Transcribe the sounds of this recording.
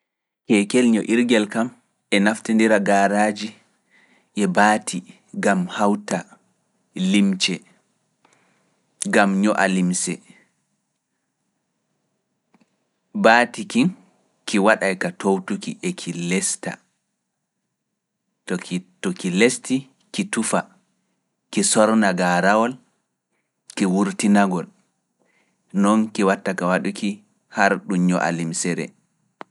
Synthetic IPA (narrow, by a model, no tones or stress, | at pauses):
kɛkɛlɲɔʔiɾɡɛlkam | ʔɛnaftindiɾaɡaɾaːd͡ʒi | ʔɛbaːtʰi | ɡamhawta | limt͡ʃɛ | ɡamɲɔʔa̰limsɛ | baːtikin | kiwaɗajkatowtukḭʔɛkʰilɛsta̰ | tɔktɔkilesti | kitufa | kisɔɾnaɡaɾawɔl | kɛwuɾtinaɡɔl | nɔnkiwatːakawaɗuki | haɾɗuɲɔʔa̰limsɛɾɛ̰